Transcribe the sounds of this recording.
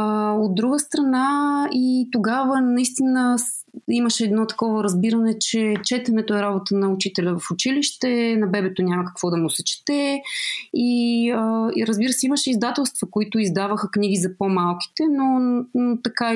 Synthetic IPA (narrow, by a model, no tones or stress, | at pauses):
od̪̚ːɾuɡəst̪ɾɐnait̪oɡavənɐist̪inə | iməʃɛːd̪nɔt̪ɐ̥kɔvəɾɐzbiɾɐnɛt͡ʃɛt͡ʃɛt̪ɛnɛt̪oɛɾabot̪ənɐʊt͡ʃit̪ɛlʲɐvɐfʊt͡ʃiliʃt̪ɛnɐbɛbɛt̪onʲamɐkɐ̥kv̥ɔd̪ɐmʊsɛt͡ʃi̥t̪ɛ | iəɾəzbiɾəsɛiməʃɛizd̪at̪ɛlˠst̪vɐkoit̪ʊizd̪avəxəkniɡ̟izɐpomalˠki̥t̪ɛnonot̪ɐka